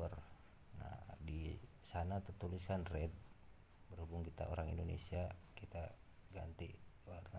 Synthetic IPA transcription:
ər | na̰di | sanat̪ərt̪uliskanrɛd̪̚ | bərhubuŋkit̪a̰o̰ɾaŋḭndonḛsiakit̪a | ɡant̪ḭ | warna

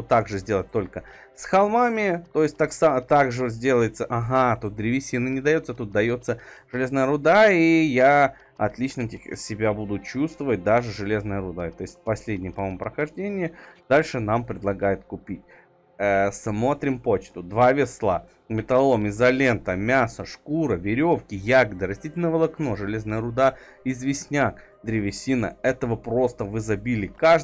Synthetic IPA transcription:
ot̪ːaɡʐɨzʲdʲe̞lˠət̚ʲt̪o̞lʲkə | sxɐlˠmamʲɪt̪o̞jɪsʲt̚ʲt̪aksat̪aɡʐɨzʲdʲe̞lˠəjɪt̪səʔaɦat̪ut̪̚d̪ɾʲɪvʲɪsʲinɨnʲɪd̪ɐjo̞t̪sət̪ut̪̚d̪ɐjo̞t̪sə | ʐɨlʲe̞znəjəɾʊd̪aija | ɐ̰t̪lʲit͡ɕnətʲɪsʲɪbʲabud̪ʊt͡ɕust̪vəvət̚ʲd̪aʐɨʐɨlʲe̞znəjəɾʊd̪aɪt̪o̞jɪsʲt̚ʲpɐsʲlʲedʲnʲɪjəpɐmo̞jmʊpɾəxɐʐdʲenʲɪjəd̪̥alʲʂɨnampɾʲɪd̪lˠɐɡajɪt̪̚kʊpʲit̚ʲ | əsmo̞t̪ɾʲɪmpo̞t͡ɕt̪ʊd̪vavʲɪslˠa | mʲɪt̪ɐlˠomɪzɐlʲent̪əmʲasəʂkuɾəvʲɪɾʲofkʲɪjaɡəd̪ɨɾɐsʲtʲitʲɪlʲnəvəlˠɐkno̞ʐɨlʲe̞znəjəɾʊd̪a | ɪzvʲɪsʲnʲak | d̪ɾʲɪvʲɪsʲinə̰ɛt̪əvəpɾo̞st̪əvɨzɐbʲilʲɪka

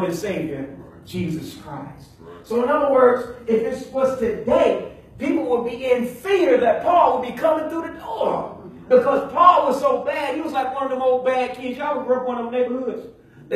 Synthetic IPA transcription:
ɨz̥seɪvjə̥˞ | d͡ʒizɨskʰɹ̥aɪst̚soʊə̃nʌðə˞wɜ˞dz̥ɪfɨswʌz̥tʰɨdeɪ | pipl̩ˠwəd̚biɪ̃nfɪɹðɨt̚pʰɔlˠwəd̚bikʰʌmɪ̃ŋθɹuðɨdɔɹ | b̥ɨkʰʌz̥pʰɔlˠwʌz̥soʊbæd̚hiwʌzlaɪklɜ̃˞nə̃moʊl̚ˠbæd̚kʰɪ̃d͡ʒawəbɹʊkwʌ̃nʌvneɪbə˞hʊdz̥

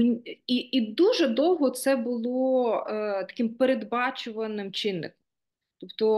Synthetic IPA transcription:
iid̪uʒɛd̪ɔwɦɔt̪sɛbʊlˠɔ | t̪ɐ̥kɪmpeɾed̪bɑt͡ʃʊʋɐnɪmt͡ʃɪnːɪ̰kɔm | t̪ɔpt̪ɔ

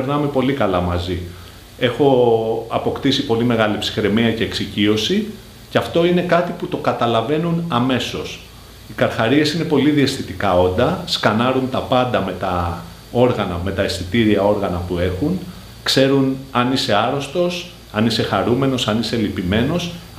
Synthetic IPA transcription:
eɾnɐmepo̞likɐlɐmɐzi | e̞xo̞ɐpo̞kt̪isipo̞lime̞ɣɐlipsi̥xɾe̞miɐce̞ːksicio̞si | ceɐft̪o̞ine̞kɐt̪iput̪o̞kɐt̪ɐlɐve̞nunɐme̞so̞s | ikɐɾxɐɾie̞sine̞po̞liðiɐst̪θit̪ikɐo̞nd̪ɐskɐnɐɾunt̪ɐpɐnd̪ɐme̞t̪ɐ | o̞ɾɣɐnɐme̞t̪ɐe̞stit̪iɾiɐo̞ɾɣɐnɐpue̞xun | kse̞ɾunɐnise̞ɐɾo̞st̪o̞s | ɐnise̞xɐɾume̞no̞sɐnise̞lipime̞no̞s

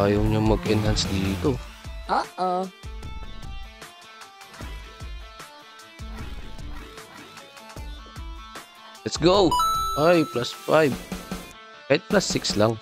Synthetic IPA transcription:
aːjɐwɲaŋmɐɡʔɪnɦansd̪iːt̪oʔaʔa | lɛt̪sɡowʔajplasfajb | ʔet̪̚plasːɪkslaŋ

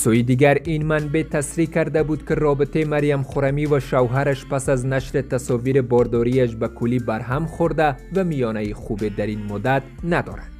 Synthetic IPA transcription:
suid̪iɡaɾinmanbe̞t̪ʰasɾikaɾd̪abud̪kirɔbit̪ʰeimaɾjamχoɾamivaʃavɦaɾaʃpasaznaʃɾit̪asɔviɾibɔɾd̪ɔɾiaʃbakʰulibaɾɦamχoɾd̪avamijɔnaiχubed̪aɾinmʊd̪at̪nad̪ɔ̰ɾad̥̪

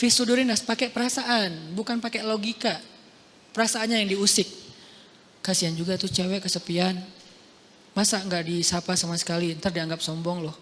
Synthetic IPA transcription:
fisuduɾɪnaspakɛpəɾasaʔanbukanpakɛloɡika | pəɾasaːnɲajaŋdiusɪk̚ː | asiand͡ʒuɡat̪ut͡ʃɛwɛʔkəsəpian | masaŋɡaʔdisapasamasə̥kaliənt̪ardiaŋɡap̚sɔmbɔŋlʊh

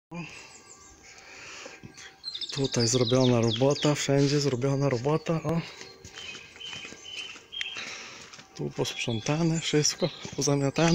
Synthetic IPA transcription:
ɔ | t̪ut̪ajzɾɔbʲjɔnaɾɔbɔt̪afʂɛɲd͡ʑɛzɾɔbʲjɔnaɾɔbɔt̪aʔɔ | t̪ṵpɔspʂɛnt̪anɛfʂɘst̪kɔpɔzamʲjat̪an

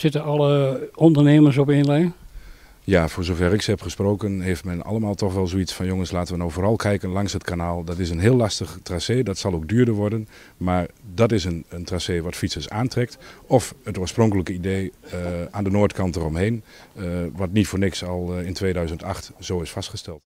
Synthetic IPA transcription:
sɪtəɑlˠəɔndəɹneːməɹs̬ɔpɪnlɛ | jaːvʊːɹzovɛɹɪksɛpχəsproːkənɦeːftmɛnɑ̰lˠəmaːlˠtɔxʋɛlˠzoisfɑnjoŋənslaːtəʋənowvoːrɑlˠkʰɛjkənlɑŋshətkanaːlˠdɔtɪs̬ənɦɪːlˠːɑstəχtraseːdɑtsɑlˠoɡ̚dyːɹdəɹʋɔɹdən | maːɹdɑtɪsənəntraseːʋɑtfitsəsaːntrɛk̚tɔfətoːɹsprɔŋkələkəideːʔaːndənoːɹtkɑntərɔmɦejn | ʋɑtnitfoːɹnɪksɑlˠɪntʋeːdœɥzəntɑxtz̥oːɪsfɑstχəstɛlˠt

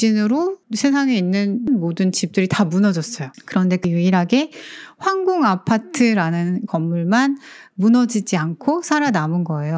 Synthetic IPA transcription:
d͡ʑinɯɾosʰe̞s̬ʰaŋe̞inːɯnnmodɯnt͡ɕip̚t͈ɯɾitamunʌd͡ʑʌs͈ʌjokɯɾʌnde̞kɯjuiɾɦaɡe̞ɸwaŋɡoŋapʰatʰɯɾanɯnkʌmːuɭman | munʌd͡ʑid͡ʑiankʰosʰaɾanamɯnɡʌe̞jo

